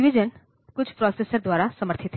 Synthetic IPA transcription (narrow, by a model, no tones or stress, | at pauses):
ʋid͡ʒən | kʊt͡ʃʰpɾɔːsesəɾd̪ʋaːɾasɐməɾt̪ʰɪt̪ɦ